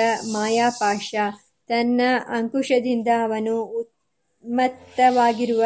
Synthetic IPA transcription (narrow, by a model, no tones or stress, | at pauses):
ɐmaːjaːpaːʂaː | t̪ɐnːɐʔɐŋkuʂɐd̪ind̪ɐɐʋɐnuːt̪̚ | mɐt̪ːɐʋaːɡiɾuʋɐ